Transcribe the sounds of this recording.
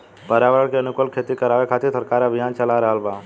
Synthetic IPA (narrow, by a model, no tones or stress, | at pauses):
pəɾaːʋəɾəɽkeɐnʊkəlkʰeːt̪ikəɾaːʋekʰaːt̪ɪɾsəɾkaːɾəbʱɪjaːnt͡ʃəlaɾɐɦəlbaː